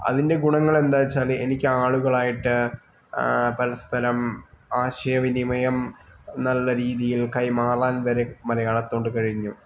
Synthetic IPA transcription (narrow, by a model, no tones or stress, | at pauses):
ɐ̰ðinde̞ɡuɳɐŋːɐɭe̞nd̪aːt͡ɕːaːle̞̰nikʲːɨaːɭuɣɐɭaːjiʈːɨ | pɐɾɐspɐɾɐmaːɕɐjɐʋinimɐjɐmnɐlːɐɾiːðijilkɐjmaːraːnʋɐɾe̞mɐɾɐjaːɭɐt̪ːo̞ːɳɖɨkɐɻiɲːu